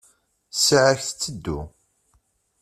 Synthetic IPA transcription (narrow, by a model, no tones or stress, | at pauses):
sʕəçθt͡sːəd̪ːṵ